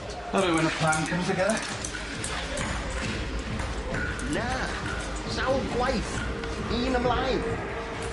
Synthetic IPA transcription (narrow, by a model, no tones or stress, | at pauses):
əvəwɛ̃nəpʰl̥ãnkʰʌ̃mz̥tʰəɡɛðə | na | sawɡwajθ | iːnə̃mlˠajn